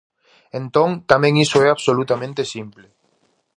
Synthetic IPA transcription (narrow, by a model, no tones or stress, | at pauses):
ẽnt̪õŋt̪amẽŋisoɛaβsolut̪amẽnt̪esimple